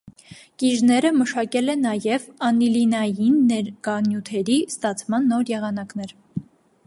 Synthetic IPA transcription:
kiʒnɛɾəməʃɑkɛlɛnɑjɛvɑnilinɑjinːɛɾkɑnjut̪ʰɛɾist̪ɑt͡sʰmɑnːɔɾjɛʁɑn̪ɑkn̪ɛɾ

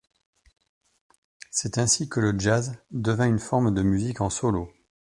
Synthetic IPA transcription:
sɛt̪ɛ̃sikələʒazd̪əvɛ̃ynfɔʁmd̪əmyzikɑ̃sɔlo

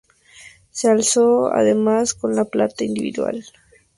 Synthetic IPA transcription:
sealsoa̰ðemaskonlaplat̪aind̪iβiðwa̰l

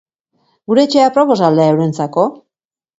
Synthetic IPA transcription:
ɡuɾe̞ːt͡ʃe̞apɾo̞po̞sald̪eaewɾe̞nt͡sako̞

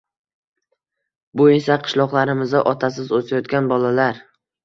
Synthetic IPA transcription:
bʊe̞saqʰɨ̥ʃlˠɒqlˠaɾɪmɪzaʔɒt̪ʰas̬ɪzosʰajɒt̪̚kʲanbɒlalaɾ

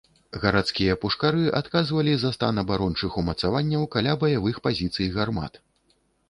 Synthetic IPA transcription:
ɣɐɾat̪skʲijɐpuʂkaɾɨʔat̪kazvɐlʲizɐst̪anɐbaɾɔnt͡ʂɨxumɐt̪savanʲːɐwkalʲabɐjavɨxpazʲit̪sɨjɣarma̰t̪

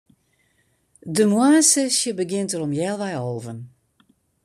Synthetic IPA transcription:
dəmwaːsəsjəbəɡɪntərɔmjɛːlˠʋɛjoːvən

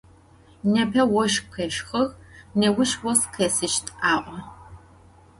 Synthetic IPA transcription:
nɐpʰɐwɔʃkʰɐʃxɐɣnɐwʊʃwɔskʰɐsɨʃtʰʼʔaːʔʷɔ

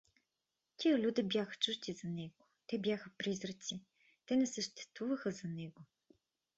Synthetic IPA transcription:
t̪ʲiəlʲud̪əbjaxə̥t͡ʃuʃt̪izɐnɛɡot̪ɛbʲjaxəpɾizɾət̪si | t̪ɛnɛsəʃt̪ɛ̥st̪vuvəxəzɐnɛɡo

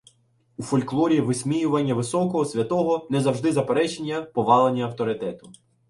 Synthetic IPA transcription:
ufɔlʲklˠɔɾʲiʋɪsʲmʲijʊʋɐnʲːɐʋɪsɔkɔɦɔsʲʋʲɐt̪ɔɦɔnɛzɐwʒd̪ɪzɐpeɾɛt͡ʃenʲːɐpɔʋɑlˠenʲːɐɐwt̪ɔɾɪt̪ɛt̪ʊ

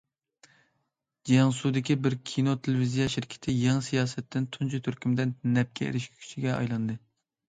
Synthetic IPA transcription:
d͡ʒijɑŋsud̪ɪkʲibɪɾkʲʰinot̪ʰelɪvizijɑʃiɾkʲʰɪ̥t̪ʰɪjɑŋsijɑːsɛt̪ːɪnt̪ʰunt͡ʃʰut̪ʰyɾkʲymd̪ɪnnɛp̚kʲʰɛḛɾɪʃkʲkʰy̥t͡ʃʰiɡʲɛɑ̰jlˠɨnd̪ɨ

